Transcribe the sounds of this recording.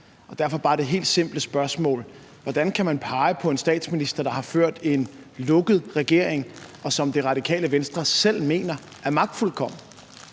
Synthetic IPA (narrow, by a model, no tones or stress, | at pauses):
ɒ̽d̥æɐfɒ̽b̥ɑ̈ːd̥e̝ɦe̝̰ːld̥se̝m̰b̥ləsb̥ɶɐsmɔ̰̽ːl | ʋɒd̥ænkʰæmænpʰɑ̈ɪəpʰɒ̽e̝nsd̥ɛ̰ːd̥sminisd̥ɐd̥ɑ̈hɑ̈føɐ̰d̥e̝nlɔ̽ɡ̥ð̩ˠʁɛɡ̥e̝ɐ̰e̝ŋɒ̽sɒ̽md̥e̝ʁɑ̈d̥ikʰɛ̰ːləʋensd̥ʁɐsel̰me̝̰ːnɐ | ʔæɐmɑ̈ɡ̥̚d̥fulkʰɒ̽m̰n̩